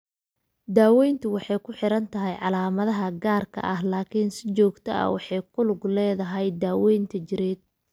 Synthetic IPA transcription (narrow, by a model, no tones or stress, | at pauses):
d̪aːwɛjnt̪ʰʊwɑħɑjkʰʊħɪɾɐnt̪ʰɐɦɛjʕɑlaːmɐðɐɦɐɡaːrkʰɐ̰ʔɐɦlaːkʰɪnsɪt͡ʃɔːɡt̪ʰɐ̰ɐ̰wɑħɑjkʰʊlʊɡlɛːðɐɦɛjd̪aːwɛjnt̪ʰɐt͡ʃɪɾɛːd̪̚